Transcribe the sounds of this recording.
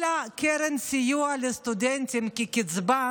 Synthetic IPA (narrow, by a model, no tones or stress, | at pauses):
lakeɾɛnsijualest̪ud̪ɛnt̪imkikɪt͡sba